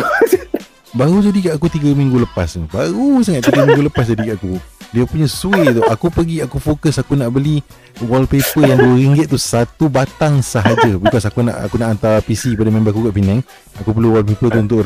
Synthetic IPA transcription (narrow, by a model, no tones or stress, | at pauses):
baɾud͡ʒadikaʔkut̪iɡəmĩŋɡuləpasnibaɾusaŋaʔ̪t̪iɡəmĩŋɡuləpas̬d͡ʒadikaʔakudiəpuɲasuet̪uakupəɡiakufokəsakunaʔbəli | wɔlpepəjaŋduəɾiŋɡɪt̪̚t̪ːusat̪ubat̪aŋsaɦad͡ʒəbəkasakuna̰ʔa̰kunaʔant̪apisipadamãmbaakukaʔpinɛ̃ŋ | akupəluwɔlpepət̪̬uunt̪̬ʊʔ